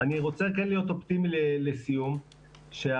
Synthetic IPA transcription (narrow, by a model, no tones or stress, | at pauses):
aniʁo̞t͡sekenlijo̞t̪opt̪imilelesijum | ʃe